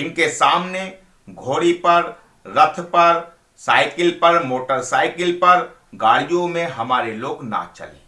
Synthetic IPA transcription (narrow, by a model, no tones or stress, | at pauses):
ɪnkesaːmne | ɡʱoːɽipɐɾ | ɾət̪ʰpɐɾ | saːɪkɪlpɐɾmoːʈəɾsaːɪkɪlpɐɾ | ɡaːɽijõmẽɦɐmaːɾeloːɡna̰t͡ʃə̰lḛ̃ː